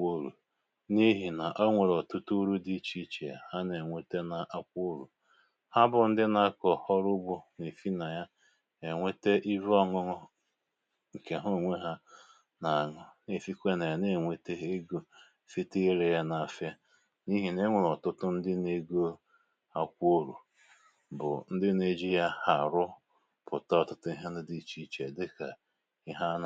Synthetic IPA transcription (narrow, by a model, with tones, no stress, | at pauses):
o˦ɾṵ˨ | ni˦ɦi˨na˨ʔɔ˦ŋʷe˨ɾɔ˨tʊ˦tu˦ɾu˦di˦t͡ʃi˦t͡ʃe˨a̰˨ha˦ne˨ŋʷe˦te˦na˨ʔa˦kʷu˦ɾṵ˨ | ha˦bʊ˨n̩˦dɪ˦na˦a˦kɔ˨hɔ˦ɾʊ˦bʊ˨ne˨fi˦na˨ja˦ | e˨ŋʷe˦te˦ʔi˦vɔ˦ŋʊ˦ŋ˦ | ŋ̩˨ke˨ɦo˦˨ŋʷe˦ɦa˦ | na˨a˨ŋʊ˨ne˨fi˦kʷe˦na˨ja˨ne˦˨ŋʷe˦te˦ɦe˦ɡo˨ | fi˦te˦ɾe˨ja˦na˨fja˦ | ni˦ɦi˨ne˦ŋʷʊ˨lɔ˨tʊ˦tʊ˦n̩˦dɪ˦ne˦ɡo˦ | a˦kʷo˦ɾṵ˨ | bʊ̰˨n̩˦dɪ˦ne˨d͡ʒi˦ja˦ha˨ɾʊ˦ | pʊ˨ta˦ɔ˨tʊ˦tʊ˦i˦ɦe˦nɪ˦di˦˨t͡ʃi˦t͡ʃe˨dɪ˦ka˨ | i˦ɦa˦n˨